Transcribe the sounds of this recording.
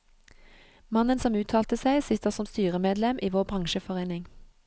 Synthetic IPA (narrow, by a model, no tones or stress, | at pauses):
mɑnənsɔmʉːt̪ʰɑːlt̪əsæɪsɪt̪əʁsɔmst̪yːʁəmeːd̪lɛmʔiːʋoːʁbʁɑŋʃəfɔʁeːnɪŋ